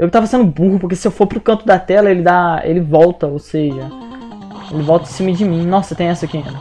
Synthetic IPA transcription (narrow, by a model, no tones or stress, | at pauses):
ewkt̪avɐsẽnd̪ʊbuɦʊpoʊɾkesɪewfoɾpɾʊkɐ̃nt̪ʊd̪ɐt̪ɛlɐelɪd̪aḛlɪvɔwt̪ɐowseʒɐ | elɪvɔwt̪ɐĩsĩmɐd͡ʒɪmĩnɔsɐt̪ẽj̃ɛsɐkiḭ̃nɐ